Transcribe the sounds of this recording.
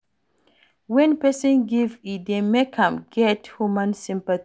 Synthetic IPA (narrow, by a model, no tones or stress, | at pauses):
wɛ̃npɛsɔ̃nɡividemekʰãmɡɛthumãnsĩmpaθ